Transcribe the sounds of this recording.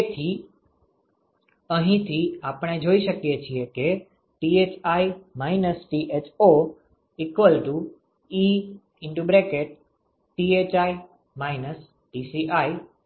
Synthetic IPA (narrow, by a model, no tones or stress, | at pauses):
et̪ʰi | əɦĩt̪ʰiapɳ̃ed͡ʒoiʃəkjet͡ʃʰieke | ʈiet͡ʃaimainəsʈiʔet͡ʃo | ikʋəlʈu | i | ɪɳʈubɾekeʈ̚ | ʈiet͡ʃai | mainəs | ʈisiʔai